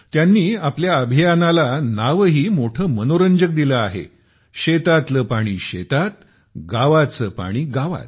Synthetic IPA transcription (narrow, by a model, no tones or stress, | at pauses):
t̪janːiːapljaəbʱijanalanaʋɦiːmoʈʰəːmənoɾəɲd͡ʑək̚d̪iləaɦḛ | ɕet̪at̪ləpaɽ̃iːɕḛt̪at̪̚ | ɡaʋat͡səpa̰ɽ̃iːɡaʋa̰t̪̚